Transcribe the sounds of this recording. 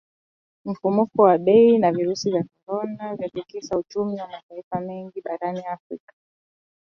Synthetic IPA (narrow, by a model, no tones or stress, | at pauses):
m̩fumukɔwaɓɛinaviɾusivjakɔɾɔnavjapikiʃaut͡ʃumiwamataifamɛŋɡiɓaɾaniafɾikḁ